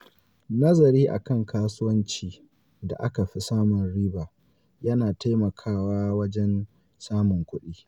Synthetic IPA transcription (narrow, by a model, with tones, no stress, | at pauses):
nɐ˦zɐ˨ɾiː˦ʔa̰˨kɐ˦˨ŋkʰaː˦sʊ˦wɐ˦nt͡ʃiː˨ | da̰˨ʔa˦ka˨ɸi˦saː˦mʊ˨nɽiː˦baː˨ | jɐ˦naː˨ta˦jmɐ˨kʰaː˦waː˦wɐ˦d͡ʒɛ˦n | saː˦mʊ˨ŋkʷʊ˦ɗiː˦